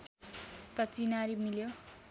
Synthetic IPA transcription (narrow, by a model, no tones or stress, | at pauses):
t̪ʌt͡sinaɾimiljo